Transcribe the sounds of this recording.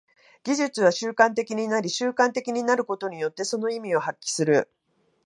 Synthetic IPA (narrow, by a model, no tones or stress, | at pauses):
ɡ̥ʲiʑɨt͡sɨβaɕɨːkãnt̪e̞kʲiɲ̟inaɾʲiɕɨːkãnt̪e̞kʲiɲ̟inaɾɯ̟ko̞t̪o̞ɲ̟ijo̞t̪ːe̞so̞no̞imʲio̞hakʲːi̥sɨɾɯ̟